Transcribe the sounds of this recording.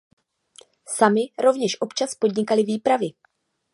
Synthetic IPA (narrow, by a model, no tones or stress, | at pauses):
samɪɾo̞vɲɛʃʔo̞pt͡ʃaspo̞dɲɪkalɪviːpɾavɪ